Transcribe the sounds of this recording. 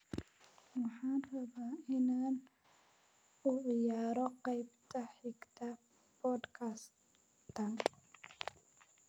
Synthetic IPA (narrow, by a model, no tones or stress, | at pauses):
wɑħaːnrɐβaːɪnaːn | ʊʕɪjaːɾɔqɑjbt̪ʰɐħɪɡt̪ʰɐ | pʰɔːd̪kʰas | t̪ʰɐn